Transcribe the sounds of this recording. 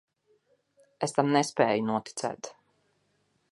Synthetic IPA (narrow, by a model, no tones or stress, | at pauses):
est̪amnɛspɛːjunuɔt̪i̥t̪sɛ̰ːt̪